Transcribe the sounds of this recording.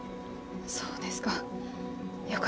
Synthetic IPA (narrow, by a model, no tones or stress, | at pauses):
soːd̪esɨ̥ka | jok